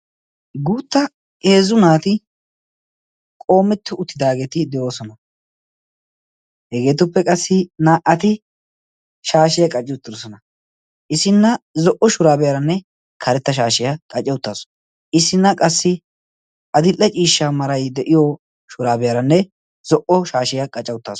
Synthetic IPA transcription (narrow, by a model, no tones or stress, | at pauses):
ɡuːt̪ːɐ | e̞ːzʊnaːt̪ɪ | kʼo̞ːmːɛt̪ːʊʊt̪ːɪd̪aːɡe̞ːt̪ɪd̪ɛʔo̞ːsɔnɐ | hɛɡe̞ːt̪ʊpːɛkʼɐsːɪnaːʔɐt̪ɪ | ʃaːʃɪjɐkʼɐt͡ʃʼːɪʊt̪ːɪɾɔsɔnɐ | ʔɪsɪnːɐzɔʔɔʃʊɾaːbɛjɐɾɐnːɛ | kʰɐɾɛt̪ːɐʃ̬aːʃɪjɐkʼɐt͡ʃʼːɛwʊt̪ːaːsɔ̥ | ʔɪsːɪnːɐkʼɐsːɪ | ʔɐd̪ɪlʼːɛt͡ʃʼiːʃːaːmɐɾɐjd̪ɛʔɪjɔ | ʃʊɾaːbɪjɐɾɐnːɛ | zɔʔɔʃaːʃɪjakʼɐt͡ʃʼːɛwʊt̪ːaːs